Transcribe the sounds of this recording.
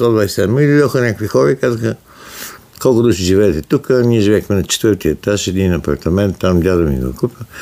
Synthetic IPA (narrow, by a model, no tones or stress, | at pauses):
t̪ɔd̪vajsɛmid̪id̪ɔxənʲakəkvixɔɾəikazəxə | kɔlˠkʊd̪uʃiʒivɛːt̪ɛt̪ukəniɛʒivʲɛxmɛnɐt͡ʃɛ̥t̪vəɾt̪iət̪aʃɛd̪inɐpɐ̰ɾt̪ɐmɛnt̪ːamdʲad̪ɐmḭɡo̰kupʲə